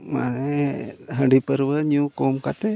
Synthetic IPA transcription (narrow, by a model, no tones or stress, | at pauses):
ma̰neɦə̃ɖipəɾbəɲũkomkat̪e